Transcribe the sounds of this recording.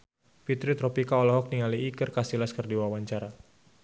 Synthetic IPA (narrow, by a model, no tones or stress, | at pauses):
pit̪ɾit̪ɾɔpikaɔlɔɦɔk̚niŋaliːkərkasilaskərdiwawaɲt͡ʃaɾa